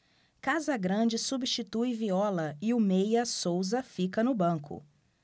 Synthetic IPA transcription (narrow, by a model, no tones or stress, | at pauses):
kazɐɡɾɐ̃d͡ʒɪsubiʃt͡ʃit̪ujviɔlɐɪʊmejɐsowzɐfikɐnʊbɐ̃kʰʊ̰